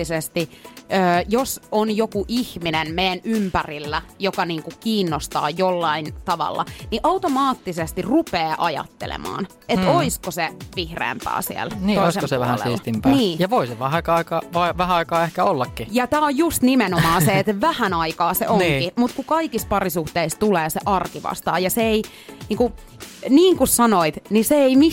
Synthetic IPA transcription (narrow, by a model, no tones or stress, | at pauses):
isest̪iː | josonjokuʔihminenmeːænympærilːæjokɑniːŋkukiːnːost̪ɑ̰ːjolːɑint̪ɑʋɑ̰lːɑ̰niʔɑut̪omɑːt̪ːisest̪irupeːʔɑjɑ̰t̪ːḛlḛmɑ̰ːn | eoiskoseʋihrḛːmpæ̰ːsḭḛlniːoiseseʋæhænsiːst̪impænːiːjɑʋoiseʋæhɑkɑikɑːʋɑiʋæhæɑikɑːehkæolːɑkːijɑt̪æːojjust̪nimenomɑːseet̪ʋæhænɑikɑːsḛʔoŋːkimut̪kukɑikispɑrisuht̪eist̪uleːseʔɑrkiʋɑ̰st̪ɑ̰ːjɑseei | niːŋku | niːŋkussɑnoit̪niseeimi